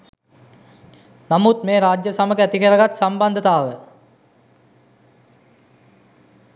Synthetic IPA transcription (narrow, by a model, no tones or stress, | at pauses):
namut̪meːɾaːd͡ʒjəsaməɡəæt̪ikəɾəɡat̪samband̪ət̪aːʋə